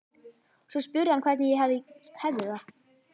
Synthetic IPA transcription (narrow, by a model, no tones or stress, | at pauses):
svɔspʏɾɪamkʰv̥ɛɾt̪nɪjɛɦavðɪhɛvðɪθa